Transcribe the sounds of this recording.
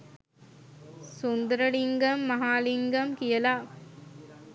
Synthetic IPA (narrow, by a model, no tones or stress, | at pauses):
sund̪ɐɾɐliŋɡɐmːɐɦaːliŋɡɐmkijɐlaː